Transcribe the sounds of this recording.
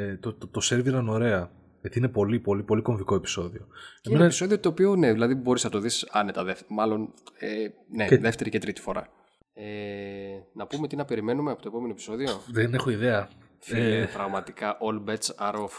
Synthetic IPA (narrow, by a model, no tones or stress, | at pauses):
et̪ot̪t̪ose̞ɾviɐno̞ɾe̞ɐ | ʝet̪iinepo̞lipo̞lipo̞liko̞ɱviko̞epi̥so̞ðio̞eieneepiso̞ðio̞t̪o̞ːpione̞ðilɐðibo̞ɾiznɐt̪o̞ðisɐne̞t̪ɐðefmɐlo̞nene̞ðe̞ft̪e̞ɾicet̪ɾit̪i̥fo̞̰ɾɐ̰ | e | nɐpume̞t̪inɐpe̞ɾime̞numeɐpot̪o̞po̞me̞nopi̥so̞ðio̞ðenexo̞iðeɐ | pɾɐɣmɐt̪ikɐʔolbet͡sɐɾof